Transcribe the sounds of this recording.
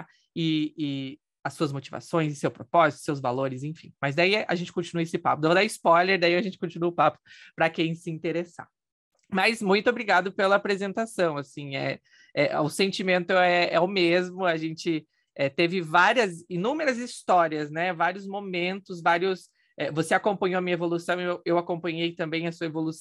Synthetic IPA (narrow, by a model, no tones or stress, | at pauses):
ɪɪ | ɐsuɐzmot͡ʃiva̰sõj̃zɪsewpɾopɔzit̪ʊ̥sewzvaloɾɪzẽfĩmɐzd̪aiɐ̰ʒẽnt͡ʃɪkõt͡ʃinuɐesɪpapʊd̪evod̪aɪspɔjleɾd̪aiɐʒẽnt͡ʃɪ̥kõt͡ʃinuɐʊpapʊ̥pɾɐkẽj̃sɪĩnt̪eɾesa̰ | mɐzmũj̃t̪ʊobɾiɡad̪ʊpelɐːpɾezẽnt̪asɐ̃w̃asĩɛ̰ | ɛʊsẽnt͡ʃimẽnt̪ʊɛɛʊmezmʊaʒẽnt͡ʃɪ | ɛt̪evɪvaɾiɐzinũmeɾɐzist̪ɔɾiɐznɛvaɾiʊzmomẽnt̪ʊzvaɾiʊs | ɛvoseakõmpɐ̃ɲoɐmĩɲɐevolusɐ̃w̃ewewakõmpɐ̃ɲejt̪ɐ̃mbẽj̃ɐsuɐevolus